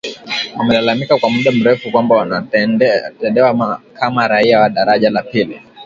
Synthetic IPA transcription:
amɛlalamikakwamuɗam̩ɾɛfukwambaana | tɛnɛwamakʰamaɾaiawaɗaɾaʄalapili

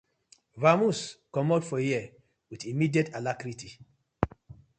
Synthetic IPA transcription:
vamuskɔmɔdfɔjia | witimidietalakɾiti

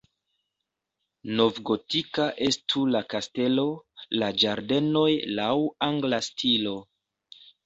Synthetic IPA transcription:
no̞vɡo̞tikaʔe̞stʰulakaste̞lo̞lad͡ʒaɾde̞no̞jlawaŋɡlastʰilo̞

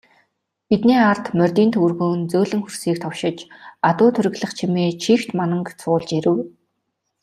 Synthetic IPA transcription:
pit̪neːart̪mœrʲt̪iːnt̪ʰɵrɣoːnt͡sɵːɮɘ̆ŋxursiːk̚t̪ʰɔwʃɪ̆t͡ɕat̪ʊːt̪ʰɵɾʲɘ̆ɣɮə̆χt͡ɕʰimeːt͡ɕʰiːxt̪manə̆ŋkt͡sʰʊːɮt͡ɕeɾɘ̆w

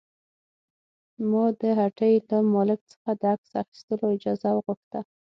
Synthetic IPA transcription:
mud̪əɦaʈəjlamɑlɪk̚t͡sə̥xad̪əaksa̰xi̥st̪əloɪd͡ʒɑzawəɣʊxt̪a

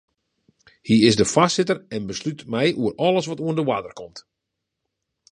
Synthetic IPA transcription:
hiɪsdəfassɪtərɛnbəslytmɛjʔuəɾɔlˠəsʋɔtuəndəwadərkʰɔmt

